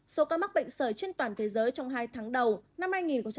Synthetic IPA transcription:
so˨˦kaː˧ma˦˥k̚ɓə̰˧˨jŋ̟səː˧˩jt͡ɕwi˧ənt̪waː˨˩nt̪ʰe˨˦zəː˨˦jt͡ɕɔ˧wŋ͡mɦaː˧jt̪ʰaː˨˦ŋɗə˨˩wna˧mhaː˧jŋi˨˩nkə˧˩ŋ͡m

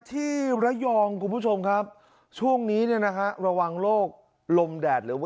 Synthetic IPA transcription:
t̪ʰiː˥˩ɾa˦˥jɔː˧ŋkʰu˧npʰu˥˩t͡ɕʰo˧mkʰa˦˥p̚ | t͡ɕʰu˥˩əŋniː˦˥ni˥˩ɐna˦˥kʰa˦˥ʔɾa˧wa˧ŋloː˥˩k̚ | lo˧mdɛː˨˩t̪̚ɾɯː˩˦

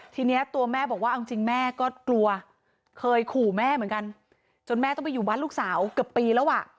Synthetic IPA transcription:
t̪ʰiː˧ni˦˥ɐt̪u˧ɐmɛː˥˩bɔː˨˩k̚waː˥ʔi˧ŋt͡ɕi˧ŋmɛː˥˩kɔː˥˩klu˧ɐ | kʰɤː˧jkʰuː˨˩mɛː˥˩mɯ˩˦nka˧n | t͡ɕo˧nmɛː˥˩t̪ɔ˥˩pa˧juː˨˩baː˥˩nluː˥˩k̚saː˩˦wkɯ˨˩əpːiː˧lɛː˦˥wʔa˨˩ʔ

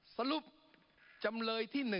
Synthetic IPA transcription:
sa˧lu˨˥˩p̚ | t͡ɕa˧mlɤː˧jt̪ʰiː˥˩nɯ˨˩

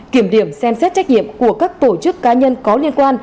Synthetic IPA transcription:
ki˧˩əmɗi˧˩əmsɛ˧msɛ˦˥t̚t͡ɕk̚ɲḭ˧˨əmku˧˩əkaː˦˥k̚t̪o˧˩t͡ɕɨ˦˥kːaː˨˦ɲə˧nkɔ˨˦li˧ənkwaː˧n

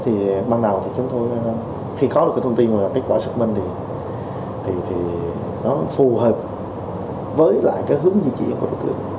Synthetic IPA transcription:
t̪ʰi˨˩ɓaː˧ŋna˨˩wt̪ʰi˨˩t͡ɕʊ˨˦ŋ͡mt̪o˧j | xi˧kɔ˨˦ɗkaː˨˦t̪ʰːt̪i˧nmaː˨˩laː˨˩ka˨˦˥t̚kwaː˧˩sɨ̥˦˥k̚mï˧ŋt̪ʰi˨˩ | t̪ʰi˨˩t̪ʰi˨˩ | nɔ˨˦fu˨˩ɦəː˨˩p̚ | vəː˨˦jla̰ː˧˨jkaː˨˦jɦɨ˨˦əŋzḭ˧˨t͡ɕḭ˧˨ə˨nku˧˩ɗo˨˧˦t̪ɨ̰˧˩˨ə

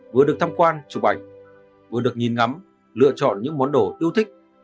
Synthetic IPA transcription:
vɨ˨˩əɗək̚t̪ʰa˧mkwaː˧nt͡ɕʊ˨˩ɓa˨˩jk̟̚ | vɨ˨˩əɗɨ˨˩ək̚ɲi˨˩nŋa˨˦m | lɨ̰˧˨ət͡ɕɔ̰˧˨nɲɨ̰˧˥ŋmɔ˨˦nɗo˧˩ɗi˧əwt̪ʰï˦˥k̟̚

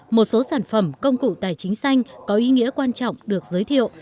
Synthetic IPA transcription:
mo˨˩t̚so˨˦saː˧˩nfə˨˧˩mkə˧wŋ͡mkṵ˧˨t̪aː˧˨˩jt͡ɕï˨˦ŋ̟sa˧jŋ̟kɔ˨˦ʔi˨˦ŋḭ˧˥əkwaː˧nt͡ɕɔ̰˧˨wŋ͡mɗɨ˨˩ək̚zəː˨˦jt̪ʰḭ˧˨ə˨w

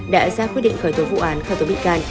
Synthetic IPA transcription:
ɗa̰ː˧˥zaː˧˥kwi˦˥t̚ɗḭ˧˨ŋ̟xəː˧˩jt̪o˨˦vṵ˧˨ʔaː˨˦nxəː˧˩jt̪o˨˦ɓḭ˧˨ŋkaː˧n

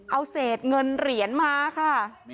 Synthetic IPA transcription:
ʔa˧wseː˨˩t̪̚ŋɤ˧nɾi˩˦ənmaː˧kʰa˥˩

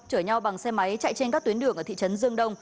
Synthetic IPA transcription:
t͡ɕəː˧˩ɲa˧wɓa˨˩ŋsɛ˧ma˨˦jt͡ɕa̰˧˨jt͡ɕe˧nkaː˦˥k̚t̪wi˨˦ənɗɨ˧˩əŋʔə˧˩t̪ḭ˧˨t͡ɕə˨˦nzɨ˧əŋɗə˧wŋ͡m

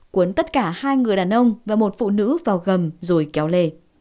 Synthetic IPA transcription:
kwu˨˦ənt̪ə˦˥t̚kaː˧˩haː˧jŋɨ˨˩əjɗaː˨˩nʔə˧wŋ͡mvaː˨˩mo˨˩t̚fṵ˧˨nɨ̰˧˥vaː˨˩wɣə˨˩mzo˨˩jkɛ˨˦wle˧˩

